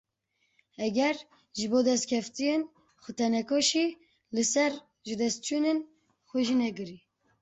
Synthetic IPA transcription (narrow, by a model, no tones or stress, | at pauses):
ɛɡɛɾ | ʒɨboːd̪ɛst̪̚kʲʰɛft̪ijen | xʷɨt̪ʰɛnɛkoʃi | lɨsɛɾ | ʒɨd̪ɛst̪̚t͡ʃʰunen | xʷɛʒinɛkɨɾi